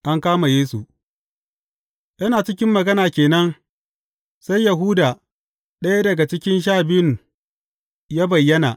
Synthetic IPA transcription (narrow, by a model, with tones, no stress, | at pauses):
ʔa˦ŋkaː˦ma˨jeː˦su˨ʔ | jʔɐ˦naː˨t͡ʃɪ˦kʲɪ˦mːɐ˨ɡɐ˦naː˨kʲeː˨nɐ˦n | sa˦jjɐ˨ɦuː˦daː˨ | ɗɐ˦ja˦dɐ˨ɡa˨t͡ʃɪ˦kʲɪ˦nʃ̬aː˦bɪ˦n | jaː˦bɐ˨jːɐ˦na̰˨